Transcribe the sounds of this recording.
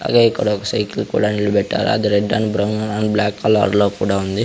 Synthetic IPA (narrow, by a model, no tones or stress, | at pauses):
a̰ːɡeːikːɐɽaɔkɐsɐjkilkṵːɽaːnilubɛʈːa̰ːɾṵɐ̰d̪iɾeɖːɐnbɾɐwnɐnɐnblaːkːɐlɐ̰ɾlo̞ːkuːɽaːund̪i